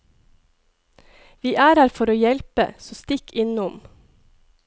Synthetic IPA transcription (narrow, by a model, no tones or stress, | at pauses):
ʋiːʔæːɾhæːɾfɔɾoːjɛlpə̰sɔst̪ɪkʰɪnʊm